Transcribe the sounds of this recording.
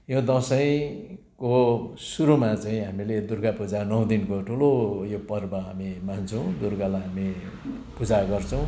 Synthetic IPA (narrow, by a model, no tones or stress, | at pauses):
jõd̪ʌsʌj̃ | kosuɾumat͡saĩɦamiled̪urɡapud͡zanʌw̃d̪inkoʈʰulojopʌrbʌɦamimant͡sʰʌw̃d̪urɡalaɦami | pud͡zaɡʌrt͡sʰʌ̃w̃